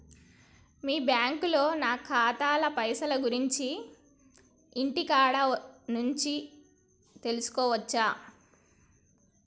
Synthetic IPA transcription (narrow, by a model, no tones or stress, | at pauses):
miːbjaːŋkulo̞ːnaːkʰaːt̪aːlɐpɐjsɐlɐɡuɾiɲt͡ʃi | iɳʈikaːɽɐnuɲt͡ʃi | t̪e̞lusu̥kɔːʋɐt͡ʃːaː